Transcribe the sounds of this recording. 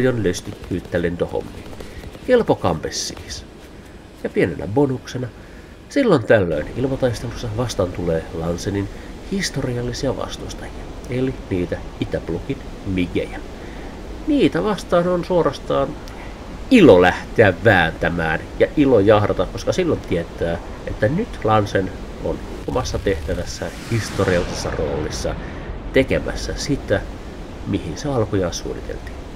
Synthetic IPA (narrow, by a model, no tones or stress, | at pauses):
jonløst̪ykːyːt̪ːælent̪oho̰mːinkelpokɑ̰mpesːḭːs | jɑpienḛnʔæ̰bonuksenɑ | silːont̪ælːø̰inḭlmɑt̪ɑist̪elusːɑʋɑst̪ɑnt̪uleːlɑnseninhist̪oriɑlːisiɑʋɑ̰st̪ust̪ɑjiɑ | eliniːt̪æ | it̪æplukin | miɡḛjæ | niːt̪æʋɑst̪ɑːnonsuorɑst̪ɑːn | ilolæht̪eæʋʋæːnt̪æmæːnjɑʔilojɑhrɑt̪ɑkkoskɑsilːont̪iet̪ːˑæː | et̪ːænyt̪lɑnsen | o̰n | omɑsːɑt̪eht̪æʋæsːæhist̪oriɑlːisesːɑ̰ro̰ːlisːɑ̰ | t̪ekemæ̰sːæsit̪ːæ | mihinseɑlkujɑːsṵːnḭt̪ḛlt̪i̥ːn